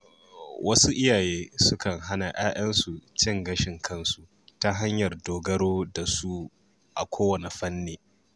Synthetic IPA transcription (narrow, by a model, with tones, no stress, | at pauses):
wʔɐ˦su˦ʔɪ˦jaː˨jeː˦sʊ˦kɐ˨ŋɦa˦na˨ʔaː˦ʔɐ˦nsu˨t͡ʃɪ˦˨ŋɡɐ˦ʃɪ˨ŋkʰɐ˦nsu˨ | ta˦ɦa˦ɲjɐ˨rdoː˨ɡɐ˦ɽoː˦da˨su˦ | ʔa̰˨kʷʰoː˦wɐ˨ne˨ɸɐ˦nːeː˨